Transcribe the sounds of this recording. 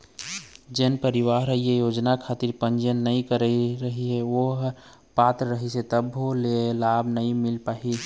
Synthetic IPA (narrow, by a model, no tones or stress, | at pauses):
d͡ʒenpəɾiʋaɦɾəɦiejoːd͡ʒnakʰat̪iɾpənd͡ʒənːəĩkəɾəiɾəɦiɦeʋoɦ | pat̪ɾːəɦiset̪əbɦolelabʱnəĩmɪlpaːɦi